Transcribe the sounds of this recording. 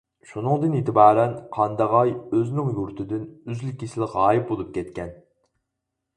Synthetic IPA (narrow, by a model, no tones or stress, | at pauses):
ʃunɨŋd̪ɨnit̪ʰɪbɑːɾɛnqʰɑnd̪ɑʁɑjøznɪŋjuɾt̪ʰɪd̪ɪnyzlikʲːisɪlˠɪʁɑːjip̚bolˠup̚kʲʰɛt̪kʲʰɛn